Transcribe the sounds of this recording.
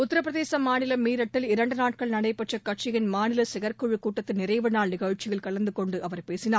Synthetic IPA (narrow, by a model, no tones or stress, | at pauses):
ʊt̪ːɐɾɐp̬ːɾɐðeːsɐmaːnɪlɐmiːɾɐʈːɪlɪɾɐɳɖɯnaːʈ̚kɐɭnɐɽɐɪpːɐʈt͡ʃːɐkːɐʈ̚t͡ʃɪɣɪnmaːnɪlɐsɪɣɐɾkʊɻɯkuːʈːɐt̪ːɯnɪɾɐɪʋɐnaːɭnɪɣɐɻt͡ʃːɪɣɐɭkɐɭɐnd̪ɯkɔɳɖɯʔɐʋɐɾpeːsɪnaː